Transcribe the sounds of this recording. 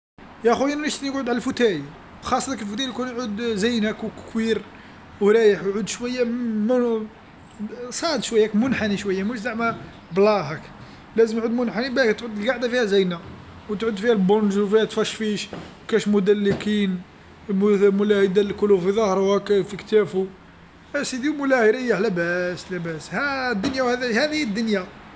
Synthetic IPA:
jæxujænænəʃt̪niəɡʕʊd̪ʕaləlfut̪æj | xɑsˤːɑləkəlfut̪æjkunʕud̪zæjnækwkkwiɾ | wɾˤæjəħwʕud̪ʃwæjːæm | sˤɑd̪ʃwæjːækmʊnħaniʃwæjːæmuʃzaʕmæ | blɑɦæk | læzəmjʕud̪mʊnħanibækt̪ʕud̪ːəlɡaʕd̪afihæzijna | wt̪ʕud̪fihælbonʒwfihæt̪fæʃfiʃwkæʃmʊd̪ælːəkin | mmʊlæhid̪ælkulːufiðˤɑhɾˤwækfikt̪æfu | ʔæsid̪imʊlæhiɾəjːalæbæslæbæshæd̪ːʊnjawhæd̪hæd̪ihid̪ːʊnja

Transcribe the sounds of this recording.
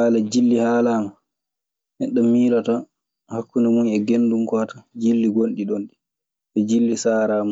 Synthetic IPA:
alad͡ʒilːihaːlaːma | ʔɛɗɔmiːɾɔta | hakːunamunɛɡendumkɔtḁd͡ʒilːiɡonɗiɗonɗi | ɛd͡ʒilːisaːɾama

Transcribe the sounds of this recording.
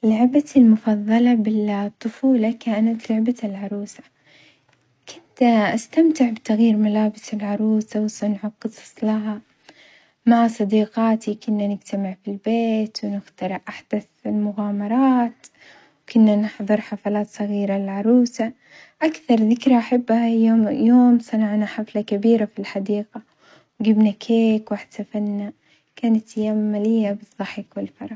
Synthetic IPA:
lʊʕbalmʊfɑðˤːɑlɑbɪt̪ˤːʊfuːlɑkaːnat̪lʊʕbaɪlʕɑɾˤuːsḁ | kʰʊnt̪ʔast̪amt̪ɪʕbt̪aɣjiːɾmalaːbɪsɪlʕɑɾˤuːsawsanʕɑqːɨsˤɑ̥sˤlaɦa | maʕasˤɑd̪iːqaːt̪ikʊnːanɪd͡ʒt̪amɪʕfilbeːt̪wnɪxt̪ɑɾɪʔʔaħd̪aθɪlmʊɣaːmɑɾˤɑːt̪ | wkʊnːanɪħðˤɨɾˤħafalaːt̪sˤɑɣiːɾalɪʕɑɾˤuːsa | ʔakθɑɾˤðɪkɾaʔaħabːhajoːmjoːmsˤɑnɑʕnaħaflakabiːɾafilħad̪iːqa | wɡɪbnakʰeːkwaħsafanːa | kaːnat̪jammːalɪjːabɨðˤːɑħɪkwɪlfɑɾˤɑ

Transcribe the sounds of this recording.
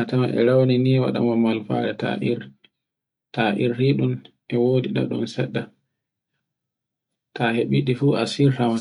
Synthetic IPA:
atamaʔɛ̰ɾawniniːwa̰ɗa̰mɔmalfa̰ɾɛta̰ʔiɾ | taʔiɾhiɗun | ɛwodiɗa̰ɗṵnsɛɗːa | taheɓiɗifuːasiɾhama

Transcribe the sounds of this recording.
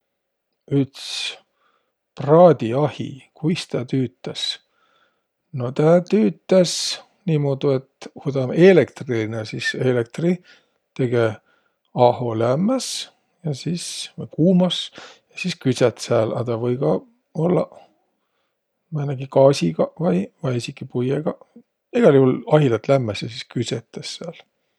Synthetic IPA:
yt̪s | prɑːd̪̥ʲiɑhḭkʰujst̪æːt̪yːt̪ːˑes | no̞t̪æːt̪yːt̪ːˑes | nimoːd̪̥ue̞t̪hud̪ɑmelekt̪rinesiselek̚t̪ri | t̪e̞ɡ̥e | ɑho̞læmːæs | jɑsisvɯjkuːmɑsjɑsiskyset̪sæːlɑ̰t̪ɑvɤjɡ̥ɑ | o̞lːɑ̰ | mænɑɡ̥ikɑːsʲiɡɑvɑjvɑjisikːˑipujeɡ̥ɑ | eɡ̥ɑljuhulɑɦilɑt̪læmːesjɑsiskyset̪ˑːesːæːl

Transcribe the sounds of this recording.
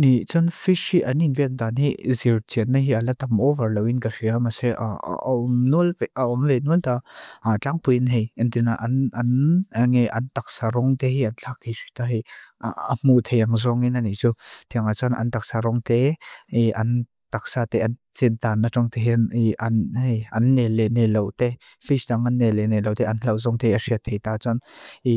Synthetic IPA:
nit͡sɔnfiʃhiʔɐninvɛk̚d̪anɦiziɾt͡siənːaɦialat̪ɐmʔɔvɐɹlɐwinkaʂiamasɛʔa̰ɔmnuəlpaɔmvenuəlt̪aat͡ɬaŋpujinɦejint̪inaʔɐnɐnŋejʔɐ̰nt̪ak̚saɾɔŋt̪eɦiɐnt͡ɬʰak̚t̪ʰejsʰit̪aɦiaəm̥ut̪ʰejaŋzɔŋinaniʔt͡sut̪ʰiəŋat͡sɔnʔɐ̰nt̪ak̚saɾɔŋt̪eiʔɐn | t̪ak̚saːt̪ɛʔɐnt͡sint̪anːat͡sɔŋt̪ɛɦɛniʔɐnɐnːɛlɛnelowt̪e | fisdaŋʔɐnːɛlɛnelowt̪ɛʔɐnlawzɔŋt̪ɛjʔɐsiət̪ʰejt̪at͡sɔni

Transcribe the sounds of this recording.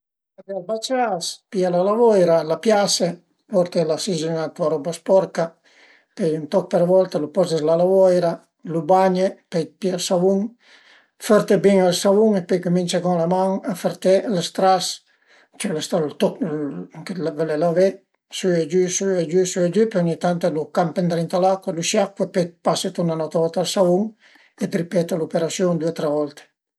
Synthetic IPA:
ad̪ealbat͡ʃaspialalavɔjɾalapjase | pɔɾt̪elasizinat̪uaɾɔbaspɔɾka | pejynt̪ɔk̚peɾvɔlt̪elupɔzezlalavɔjɾa | lubaɲepɛpialsavuŋ | fɔɾt̪ebiŋalsavuŋepejkumint͡ʃakɔŋlamaŋafeɾt̪elest̪ɾas | t͡ʃɛlest̪alt̪ɔ | kelavelelave | syed͡ʒysyed͡ʒysyad͡ʒypeɔɲit̪ant̪elukampent̪ɾint̪alakeluʃjakwepepaset̪unanɔt̪avɔlt̪alsavuŋ | ed̪ɾipɛt̪alupeɾasjɔŋd̪uet̪ɾɛvɔlt̪e̥

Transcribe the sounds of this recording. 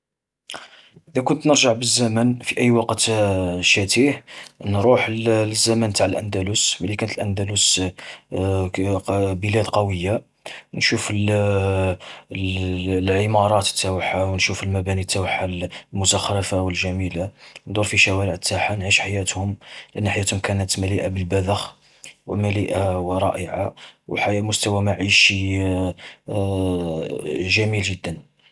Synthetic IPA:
ʔəd̪ækʊnt̪nəɾʒəʕbəzːæmənfiʔəjːwɑqt̪ʃæt̪ihnɾˤuħzːæmænt̪aʕəlʔænd̪æluswəlikænət̪əlʔænd̪ælus | bəlæd̪qɑwəjːa | nʃufl | lʕəmɑɾˤɑt̪ə̥t̪ːæwəħːawnʃufəlmæbænit̪ːæwəħːallmʊzɑxɾɑfawəlʒæmiland̪uɾˤfiʃæwæɾəʕət̪ːaħanʕiʃħajæt̪hʊmlʔənːaħjæt̪hʊmkænæt̪mæliʔabəlbæd̪əx | wəmæliʔawəɾˤɑʔəʕawħajmʊst̪æwæmaʕiʃi | ʒæmilʒəd̪ːən

